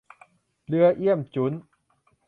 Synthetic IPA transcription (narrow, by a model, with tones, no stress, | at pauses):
lɨ˧əʔi˧˩əmt͡ɕu˨˦n